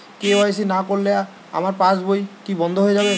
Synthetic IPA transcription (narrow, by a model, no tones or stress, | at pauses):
keɔesinakoɾlea | a̰maɾpãsbojkibɔnd̪ʱoɦoed͡ʑabe